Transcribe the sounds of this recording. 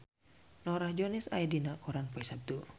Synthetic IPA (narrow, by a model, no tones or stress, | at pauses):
nɔɾahd͡ʒɔnisa̰idinakuɾanpɔisab̚d̪u